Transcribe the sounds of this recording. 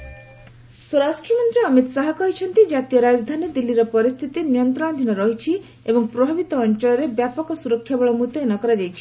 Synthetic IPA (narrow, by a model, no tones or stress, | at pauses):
sɔɾasʈɾɔmɔnt̪ɾiːmit̪saɦɔkɔɦit͡ʃʰɔnt̪id͡ʒat̪ijɔɾad͡ʒd̪ʱanid̪ilːiɾɔpɔɾist̪ʰit̪inijɔnt̪ɾɔɽ̃ɔd̪ʱinɔɾɔɦit͡ʃʰi | ebɔŋpɾɔbʱabit̪ɔːnt͡ʃɔɭɔɾebjapɔkɔsuɾɔkʰːjabɔɭɔmut̪eenɔkɔɾad͡ʒajt͡ʃʰi